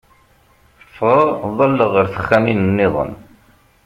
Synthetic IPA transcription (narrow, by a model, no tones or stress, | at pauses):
əfʁəʁðˤɑlːəʁəɾθə̥χːæminənːɪðˤə̰n